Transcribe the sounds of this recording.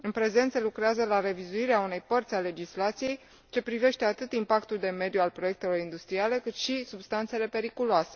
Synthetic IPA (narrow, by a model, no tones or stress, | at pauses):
ɨnpɾe̞ze̞nt̪selukɾeazəlaɾe̞vizuiɾeaune̞jpərt̪sʲale̞d͡ʒislat̪sije̞j | t͡ʃe̞pɾive̞ʃt̪e̞at̪ɨt̪impakt̪uld̪e̞me̞d̪jualpɾoje̞k̚t̪e̞lo̞ɾind̪ust̪ɾiale̞kɨt̪ʃisubst̪ant̪se̞le̞pe̞ɾikuloase̞